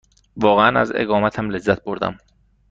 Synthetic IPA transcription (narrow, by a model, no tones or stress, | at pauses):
vɒːɣeænæ̰zḛɣɒːmæt̪ʰæmle̞zːæt̪̚ʰboɾd̪æ̰m